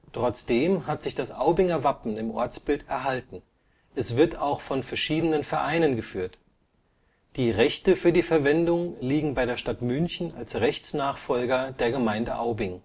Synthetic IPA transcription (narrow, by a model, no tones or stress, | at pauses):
tʁ̥ɔt͡sd̥eːmɦatz̥ɪçd̥asʔaʊbɪŋɐvapn̩ɪmʔɔ̰ɐt͡sb̥ɪltɛɐɦaltn̩ | ʔɛsv̥ɪɐtaʊxfɔnfɛɐʃiːdənənfɛɐʔaɪnənɡəfyːɐt | d̥iːʁɛçtəfyːɐdiːfɛɐvɛndʊŋliːɡŋ̩baɪɾeːɐʃtatmʏnçn̩alsʁɛçt͡snaːχfɔlɡɐdeːɐɡəmaɪndəʔaʊbɪŋ